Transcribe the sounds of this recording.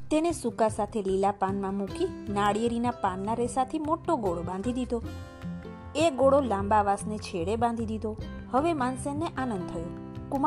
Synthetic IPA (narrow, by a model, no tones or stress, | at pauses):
t̪enesukasat̪ʰelilapanmãmũkinaɽijeɾinapanːaɾesat̪ʰimoʈːoɡoɽobãnd̪ʱid̪id̪o | eɡoɽolãmbaʋasnet͡ʃʰeɽebãnd̪ʱid̪id̪ʱo | həʋemansenːeʔanə̃nd̪̚t̪ʰəjo | kum